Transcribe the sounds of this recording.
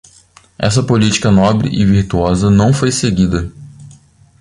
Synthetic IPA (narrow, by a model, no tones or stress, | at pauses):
ɛ̰sɐpolit͡ʃi̥kɐnɔbɾɪ̰ʔɪviɾt̪uɔzɐnɐ̃w̃fojseɡid̪ɐ